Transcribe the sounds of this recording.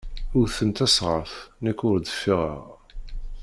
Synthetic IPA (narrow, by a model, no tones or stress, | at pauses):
ʊɾθənt̪æsʁəfnækːʊɾd̪əfːiʁə̰ʁ